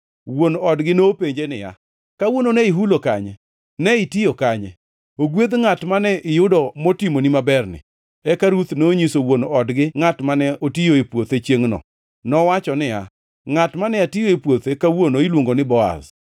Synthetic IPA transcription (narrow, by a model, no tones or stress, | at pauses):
wonɔdɡɪnoːpeɲd͡ʒenɪ̰ja̰ | kawononɛiɦulokaɲɛ | nɛɪtijokaɲɛ̰ | oɡwed̪ŋatmanɛʔɪjʊdɔmotimonimabɛrnɪ̰ | ɛkaɾut̪noːɲisowonoɔdɡɪŋatmanɛotijoepwot̪et͡ʃjeŋnɔ̰ | nɔwat͡ʃɔnɪja̰ | ŋatmanɛatijoepwot̪ekawonoilwoŋɡonɪbɔa̰z